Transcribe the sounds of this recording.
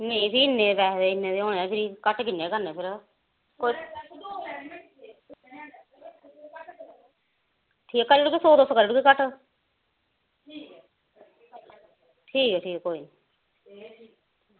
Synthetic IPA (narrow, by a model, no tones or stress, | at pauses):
neĩsiːɪnːẽːbɛːd̪eːɪnːẽːd̪eːoːneaːpʰɪɾiːkəʈkɪnːeːkəɾnẽːpʰɪɾ | koi | ʈʰiːkːkəɾeʈʊkisoːd̪oskəɾeːʈukikəʈ | ʈʰiːkːʈʰiːkkːoːiːniː